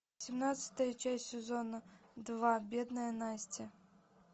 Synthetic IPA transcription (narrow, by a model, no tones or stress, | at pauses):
sʲimnat̪sʲɐ̥t̪ɐjɐt͡ʃasʲtʲsʲezɔnʊd̪ʋɑbʲɛd̪nɐjɐnasʲtʲɐ